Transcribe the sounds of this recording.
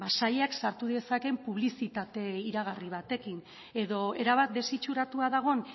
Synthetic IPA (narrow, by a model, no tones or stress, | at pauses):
basaʎeaksaɾt̪uðiesake̞mpuβ̞lisit̪at̪e̞iɾaɣ̞ariβ̞at̪e̞kin | e̞ðo̞e̞ɾaβat̪̚d̪e̞sit͡ʃuɾat̪uaðaɣ̞o̞n